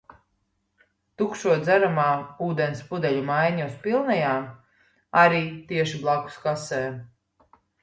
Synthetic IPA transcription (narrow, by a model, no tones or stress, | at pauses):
t̪ukʃuɔd̪zæɾamaːuːd̪ɛnspud̪ɛʎʲumajɲaspilˠnɛjaː | aɾiːt̪iɛʃiblˠaku̥skasɛː